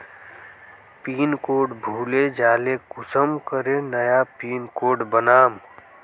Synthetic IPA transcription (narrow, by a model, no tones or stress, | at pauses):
piːnkoːɖbʱuːled͡ʒaːlekʊsəmkəɾenəjapiːnkoːɖbənaːm